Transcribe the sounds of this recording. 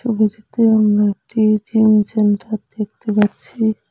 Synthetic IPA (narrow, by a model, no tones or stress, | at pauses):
obid͡ʑit̪eamɾaek̚ʈid͡ʑimt͡ɕenʈaɾd̪ek̚ʰt̪epaɾt͡ɕʰi